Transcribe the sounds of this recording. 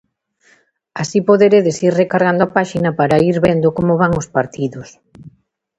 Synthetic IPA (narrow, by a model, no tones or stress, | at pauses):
asipoðeɾeðesiɾrekaɾɣand̪oapaʃinɐpaɾaiɾβend̪okomoβaŋospaɾt̪iðʊs